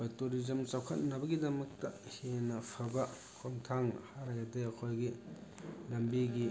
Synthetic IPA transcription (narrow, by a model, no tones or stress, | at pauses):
kʰojtoɾizɐmt͡ʃawkʰɐt̚nɐbɐɡidɐmɐk̚tɐhenɐpʰɐbɐ | kʰoŋtʰaŋhaɾajadeɐkʰojɡi | lɐmbiɡi